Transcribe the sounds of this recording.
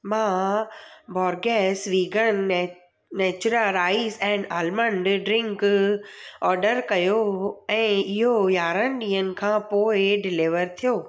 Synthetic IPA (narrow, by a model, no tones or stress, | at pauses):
mãː | bɔːɾɡɛːsʋiːɡʱən | nɛːt͡ɕʊɾəlɾaːizɛ̃ːnɖaːlmə̃ɳɖɖɾɪ̃ŋk | ɔːɾɖəɾkɐjoɛ̃ːɪɦojaːɾənɗĩːɦənɪ̆kʰãːpoːɪɖɪlɪʋəɾt̪ʰijoː